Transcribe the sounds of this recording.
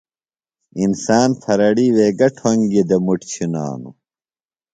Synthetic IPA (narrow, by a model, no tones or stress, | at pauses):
insaːnfʰɐɾɐɽiːweːɡɐʈʰoŋɡid̪ɐmuʈt͡ɕʰina̰ːnṵ